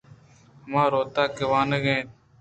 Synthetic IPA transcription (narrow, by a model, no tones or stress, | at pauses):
mãːɾoːt̪aːkɪʋaːnəɡẽːt